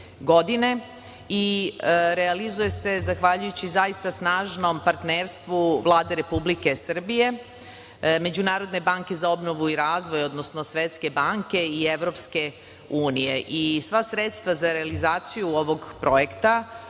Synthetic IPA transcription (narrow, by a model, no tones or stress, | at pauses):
ɡo̞d̪ine̞ | i | ɾealizuje̞se̞zaxʋaʎujut͡ɕizaist̪asnaːʒno̞mpaɾt̪neːɾst̪ʋuʋlˠaːd̪e̞ɾe̞publike̞sr̩bije̞ | me̞d͡ʑunaːɾo̞d̪ne̞baŋke̞zao̞bno̞ʋuiɾaːzʋo̞jo̞d̪nosno̞sʋe̞t̪ske̞baŋke̞ieʋɾo̞pske̞ | uːnije̞ʔisʋasɾe̞t̪st̪ʋazaɾealizaːt̪sijuo̞ʋo̞ɡpɾo̞jekt̪a